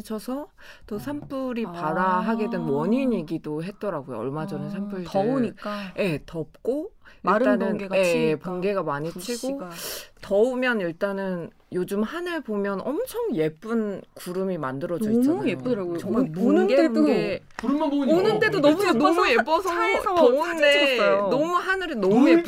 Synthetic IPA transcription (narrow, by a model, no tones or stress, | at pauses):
t͡ɕʰʌsʰʌ | t͈osʰamp͈uɾipaɾaɦaɡe̞dwenwʌɲiɲiɡidoɦe̞t̚t͈ʌɾaɡojo̰ʌɭmad͡ʑʌnɯnsʰamp͈ʰuɭɲik͈aje̞tʌp̚k͈oiɭt͈anɯnɡepoŋɡe̞ɡamaɲit͡ɕʰiɡotʌumjʌniɭt͈anɯn | jod͡ʑɯmhanɯɭbomjʌnʔʌmt͡ɕʰʌŋje̞p͈ɯnkuɾɯmimandɯɾʌʌd͡ʑaep͈ɾʌunɯɡee | onɯnde̞donɔmnmuje̞p͈ʌsʰʌounnde̞nʌmuɦanɯɾenʌmuje